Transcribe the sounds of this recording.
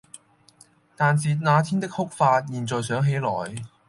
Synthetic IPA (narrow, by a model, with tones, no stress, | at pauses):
t̪aː˨nsiː˨naː˨˧t̪ʰiː˥nt̪ɪ˥k̚hʊ˥k̚faː˧t̚jiː˨˩nt͡sɔː˨jsœː˨˥ŋɦe˨˥jlɔ̰ː˨˩j